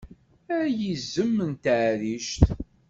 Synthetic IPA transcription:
æɾjizːəmːənt̪əʕɾiʃt̪

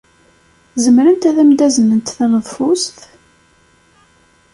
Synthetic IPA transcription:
zəmɾənt̪æðæmd̪æzənːənt̪θænəðˤfʊsθ

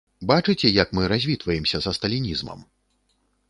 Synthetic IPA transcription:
bat͡ʂɨt͡sʲɛjɐkmɨɾazʲvʲit̪vɐjɛmsʲɐzɐst̪ɐlʲinʲizmɐ̰m

